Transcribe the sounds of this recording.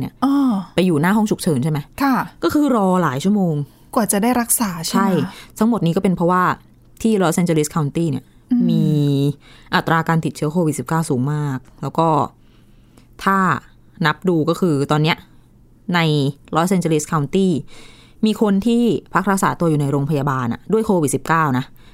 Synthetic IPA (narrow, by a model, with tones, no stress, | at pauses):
nḭ˦˩ɐʔɔː˧pa˧jːuː˨˩naː˥˩ɦɔ˥˩ŋt͡ɕʰu˨˩k̚t͡ɕʰɤː˩˦nt͡ɕʰa˥˩jma˦˥jkʰa˥˩kɔː˥˩kʰɯː˧ɾɔː˧laː˩˦jt͡ɕʰu˥˩ɐmoː˧ŋ | kwaː˨˩t͡ɕa˨˩daː˥˩jɾa˦˥k̚saː˩˦t͡ɕt͡ɕʰa˥˩jt̪ʰa˦˥ŋmo˨˩t̪̚niː˦kɔː˥˩pe˧npʰɾɔ˦˥waː˥˩ | t̪ʰiː˥˩lɔː˦˥sʔe˧nt͡ɕəː˧li˦˥kʰa˧wnt̪iː˥˩ni˥˩ɐ | miː˧ | ʔa˨˩t̪ːɾaː˧kaː˧npʰi˨˩t̪̚t͡ɕɯ˦˥ɐkʰoː˧wi˨˩t̪̚si˨˩p̚kaː˥˩wsuː˩˦ŋmaː˥˩k̚lɛː˦˥wkɔː˥˩ | t̪ʰaː˥˩ | na˦˥p̚duː˧kɔː˥˩kʰɯː˧t̪ɔː˧nːi˦˥ɐʔ | na˧jlɔ˦˥sʔe˧nt͡ɕəː˧li˦˥skʰa˧wnt̪iː˥˩ | miː˧kʰo˧nt̪ʰiː˥˩pʰa˦˥k̚ɾa˦˥k̚saː˩˦t̪u˧ɐjuː˨˩na˧jɾoː˧ŋpʰa˧jaː˧baː˧nʔa̰˨˩du˥˩əjkʰoː˧wi˨˩si˨˩p̚kaː˥˩wna˦˥